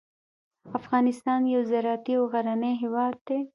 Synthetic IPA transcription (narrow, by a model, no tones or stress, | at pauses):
afɣɑnɪst̪ɑnjawzaɾɑt̪iawɣaɾanejɦewɑd̪̚d̪e